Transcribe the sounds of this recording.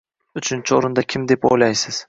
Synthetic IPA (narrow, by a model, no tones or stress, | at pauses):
ʊt͡ʃʰɪnt͡ʃʰɪoɾɪnd̪akʲʰɪmd̪e̞po̰jlajsɪz̥